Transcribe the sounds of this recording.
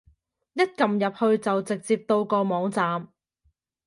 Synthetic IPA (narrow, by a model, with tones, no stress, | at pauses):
jɐ˥t̚kɐ˨mjɐ˨p̚hɵ˧ɥt͡sɐ˨wt͡sɪ˨k̚t͡siː˧p̚t̪o˧wkɔː˧mɔː˨˧ŋt͡saː˨m